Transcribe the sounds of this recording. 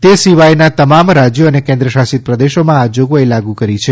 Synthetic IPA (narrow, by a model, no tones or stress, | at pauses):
t̪esiʋajnat̪əmamɾad͡ʒjoənekẽnd̪ɾəʃasit̪̚pɾəd̪eʃomãad͡ʒoɡoelaɡũkəɾit͡ʃʰe